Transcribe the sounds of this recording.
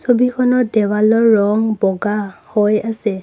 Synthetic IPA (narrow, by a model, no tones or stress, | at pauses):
sobikʰɔnɔdɛwalɔɹːɔŋbɔɡahojasɛ